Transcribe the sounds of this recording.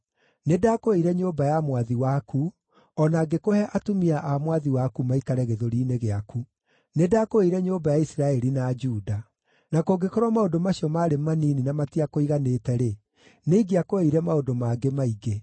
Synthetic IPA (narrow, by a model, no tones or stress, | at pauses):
nedakoeiɾɛɲobajamwaðiwaku | ɔnaːɡekohɛʔatumiaʔamwaðiwakumaikaɾɛɣeðoɾiːneɣeaku | nedaːkoeiɾɛɲoːbajaisɾaɛɾinad͡ʒuda | nakoɡekɔɾwamaodomaɕiɔmaːɾemaniːninamatiakoiɣanetɛɾe | neiɡiakoeiɾɛmaodomaɡemaiɡe